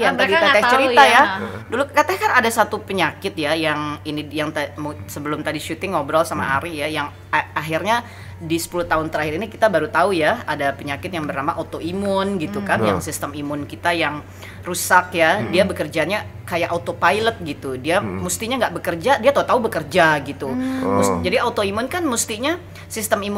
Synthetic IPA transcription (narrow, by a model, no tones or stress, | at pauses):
jat̪adit̪aat͡ʃəɾit̪ajadulukat̪akanadasat̪upəɲakɪt̪̚jajaŋinijaŋt̪amsəbəlʊmt̪adiʃut̪ɪŋobəɾɔlsama̰ɦa̰ɾijajaŋ | aɦɪrɲa | disə̥puluht̪aʊnt̪əɾahɪɾinikit̪abaɾut̪aujaadapəɲakɪt̪̚jaŋbərnamaʔot̪oimʊnɡit̪ukanja̰ŋsist̪əmimʊnkit̪ajaŋ | rusak̚jadiabəkərd͡ʒaɲakajaʔot̪opajlət̪̚ɡit̪udiamust̪iɲaŋɡaʔbəkərd͡ʒadiat̪aut̪aubəkərd͡ʒaɡit̪umusd͡ʒadiat̪oimʊnkanmust̪iɲa | sist̪əmim